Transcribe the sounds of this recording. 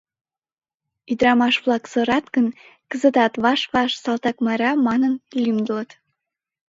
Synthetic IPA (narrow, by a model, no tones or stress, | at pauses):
id̪ɾɑmɑʃvlˠɑksɤ̆ɾɑt̪kə̆n | kə̆zə̆t̪ɑt̪βɑʃvɑʃsɑlˠt̪ɑkmɑɾɑmɑnɤ̆nlʲimd̪ɤlɤ̆t̪